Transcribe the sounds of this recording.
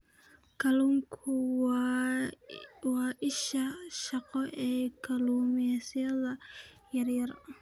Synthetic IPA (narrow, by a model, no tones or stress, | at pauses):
kʰɐluːŋkʰʊ | wɑːʔɪʃɐʃɑqɔʔɛːkʰɐluːmɪɛsɪjɐðɐ | jɐrjɐr